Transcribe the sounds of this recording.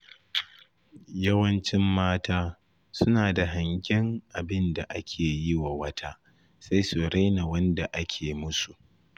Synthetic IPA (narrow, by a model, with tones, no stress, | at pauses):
jɐ˦wɐ˦nt͡ʃɪ˦mːaː˦taː˦ | sʊ˦naː˨da˨ɦa˨ŋɡʲɪ˦ŋʔa˨bɪ˦nda˨ʔa˦kʲʰeː˨jɪ˦wa˨wɐ˦tʰaː˦ | sa˦jsoː˨ɽa˦jna˨wɐ˦nda˨ʔa˦kʲʰeː˨mʊ˦su˨ʔ